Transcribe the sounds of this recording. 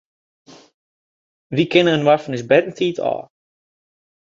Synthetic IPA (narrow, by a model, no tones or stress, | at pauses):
ʋikɪnəənwarfənəsbɛdən̩tʰiːtʰɔ̰ː